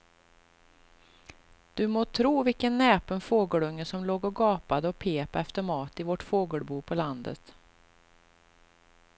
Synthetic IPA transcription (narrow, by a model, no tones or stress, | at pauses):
d̪̥ɵmoːt̪ʰɾuːvɪlkənːɛːpənfoːɡəɭɵŋːəsɔmloːɡɔɡɑːpad̪əɔpʰeːpɛft̪əɾmɑːt̪ɪvɔʈfoːɡəɭbuːpʰɔland̪ə̰t̪